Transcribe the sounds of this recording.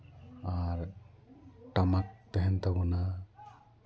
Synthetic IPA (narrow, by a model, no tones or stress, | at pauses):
aɾ | ʈamak̚t̪ɛɦɛnt̪abɔna